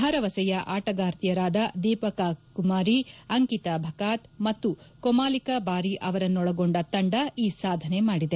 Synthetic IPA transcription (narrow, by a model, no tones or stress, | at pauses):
bʱaɾɐʋɐsɐjɐʔaːʈɐɡaːɾt̪ijɐɾaːd̪ɐd̪iːpɐkakumaːɾiɐŋkit̪ɐbʱɐkaːt̪mɐt̪ːukomaːlikɐbaːɾiʔɐʋɐɾɐnːɔɭɐɡoɳɖɐt̪ɐɳɖɐiːsaːd̪ʱɐne̞maːɽid̪e̞